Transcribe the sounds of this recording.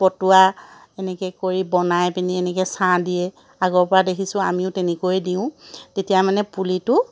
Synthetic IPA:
pɔtua | ɛnɛkɛkoɹibɔnajpiniɛnɛkɛsãdijɛ | aɡɔɹpɔɹadekʰisʊ̃a̰miʊtenɛkojdiʊ̃tetijamanɛpulitʊ

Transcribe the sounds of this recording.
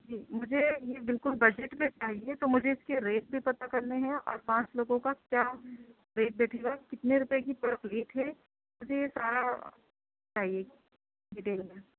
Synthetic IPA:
d͡ʒiːmʊd͡ʒʱejebɪlkʊlbɐd͡ʒeʈmẽt͡ʃaːɦiet̪omʊd͡ʒʱeɪskeɾeːʈ̚bʱipɐt̪akɐɾneɦɛ̃ʔɔ̰ːɾpãːt͡ʃloːɡõkakjaː | ɾeːʈ̚bɛːʈʰeɡakɪt̪neɾʊpjekipɐɾpliːʈɦɛ | mʊd͡ʒʱejesaːɾa | t͡ʃaːɦie | ɖɪʈeːlmẽ

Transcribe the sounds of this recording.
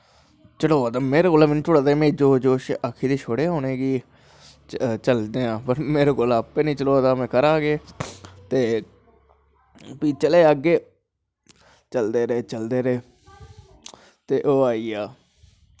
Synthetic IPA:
t͡ʃəɽoːd̪aːmeːɾeːkoːlaːmenːt͡ʃʊɽaːd̪emẽːd͡ʒoːd͡ʒoːʃakʰiːd̪iːʃʰoːɽeːɦoːneːɡiː | t͡ʃəld̪eːãːpəɾmeːɾoːkolaːpːeːnĩːt͡ʃəɽoːt̪aːmɛ̃ːkəɾaːɡeːt̪eː | piːt͡ʃəleːəɡeː | t͡ʃəld̪eːɾeːt͡ʃəld̪eːɾeː | t̪eːʔoːaːiːaː

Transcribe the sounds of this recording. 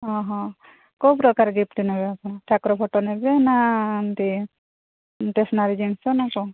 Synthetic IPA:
ɦɔ̃ɦɔ̃ | kupɾɔkaɾɡipʈ̪inɛbɛapɔnaʈʰakɾɔpʰɔʈɔnɛbɛnant̪i | ʈesnaɾid͡ʒiŋsɔnakɔ

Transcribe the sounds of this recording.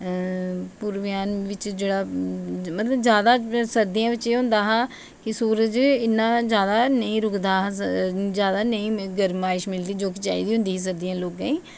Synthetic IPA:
puːɾʋɪjaːnʋɪt͡ʃd͡ʒeːɽaːmət̪ləbzjaːd̪aːsəɾd̪ijãːʋɪt͡ʃeːɦʊ̃nd̪aːɦãː | kɪsuːɾəd͡ʒɪnːãːd͡ʒjaːd̪aːnəĩːɾʊkd̪ãː | d͡ʒjaːd̪aːnəĩːɡəɾmaːɪʃmɪld̪iːd͡ʒoːk̬ɪt͡ʃaːḭːd̪iːʊ̃nd̪iːɦis̬əɾd̪ijãːloːɡãːĩː

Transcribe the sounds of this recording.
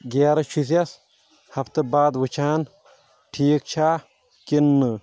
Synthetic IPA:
ɡʲaːɾɐt͡ʃʰus̬jɐs | hɐft̪ɐbaːd̪ʋwɨt͡ʃʰaːn | ʈʰiːk̚t͡ʃʰaː | kinːɨ

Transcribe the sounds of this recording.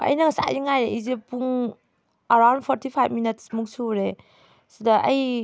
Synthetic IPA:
ɐ̰jnɐŋsa̰iŋajɾeʔizepuŋ | ɐɾawndpʰɔɾtʰipʰajbminitsmuŋsuɾe | sidɐʔɐj

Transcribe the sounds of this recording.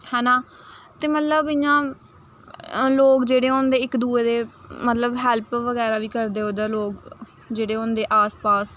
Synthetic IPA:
hɛːnãː | t̪eːmət̪ləbɪjãː | loːkd͡ʒeːɽeːõnd̪eːɪkd̪uːeːd̪eːmət̪ləbɦɛːlpʋəɡɛːɾaːʋiːkəɾd̪eːoːd̪aːloːk | d͡ʒeːɽeːõːnd̪eːʔaːspaːs

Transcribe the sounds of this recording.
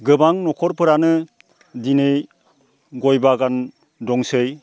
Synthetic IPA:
ɡɯbaŋnɔkʰɔɾpʰɯɾanɯ | dinɯj | ɡɔjbaɡan | dɔŋsɯj

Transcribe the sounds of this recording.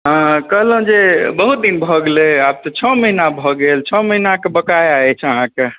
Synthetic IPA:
ɦə̃kəɦləũd͡ʒebəɦut̪̚d̪inbʱɔɡeleab̚t̪ɔt͡ʃʰɔməɦinabʱɔɡelt͡ʃʰɔməɦinakebəkajaɛt͡ʃʰəɦãke

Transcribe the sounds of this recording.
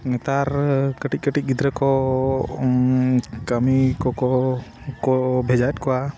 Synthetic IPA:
ŋɛt̪aɾkəʈic̚kəʈic̚ɡid̪ɾɛkɔ | kəmikɔkɔ | kɔbʱɛd͡ʒat̪̚kɔwa

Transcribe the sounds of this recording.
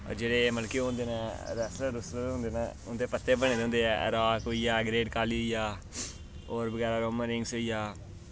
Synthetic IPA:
ɔ̰ːɾd͡ʒeːɽeːməlkiɦõːnd̪eːnãːɾɛːsləɾʊsɾõːnd̪eːnaʊnd̪eːpət̪ʰːeːbəñẽːd̪eɦʊ̃ːnd̪eɛːɾaːkɦoiːjaːɡɾeːɖkaːliːijaː | oːɾbəɡɛːɾaːɾoːməɾɪŋɡsɦoːijaː

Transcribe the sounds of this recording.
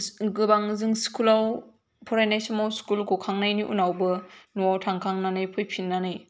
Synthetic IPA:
ɡɯbaŋzɯŋskulaw | pʰɔɾajnajsɯmawskulkʰokʰaŋnajniʔṵnawbɯnuawtʰaŋkʰaŋnanɯjpʰɯjpʰinːanɯj

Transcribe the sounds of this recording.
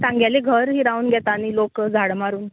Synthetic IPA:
t̪ãŋɡjaleɡʱəɾɦiːɾauːnɡʱɛt̪aːnilokd͡zʱaɽmaɾuːn

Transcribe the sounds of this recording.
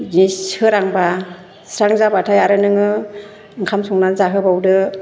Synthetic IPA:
ziɯɾaŋba | sɾaŋzabatʰajaɾɯnɯŋɯ | ɯŋkʰamsɔŋnanzaɦɯbawdɯ

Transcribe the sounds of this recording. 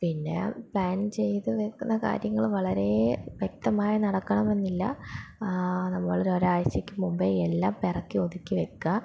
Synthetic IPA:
pinːe̞̰pɭaːnt͡ɕe̞jt̪ɨʋekːunːɐka̰ːɾjɐŋːɐɭʋɐɭɐɾe̞ʋjek̚t̪ɐmaːjɐnɐɽɐkːɐɳɐme̞nːilːɐ̰ | nɐmːɐʋɐɭɐɾoɾaːʋɐɕjɐkʲːumumbeelːaːmperɐkːiod̪ikʲːɨʋekːɐ

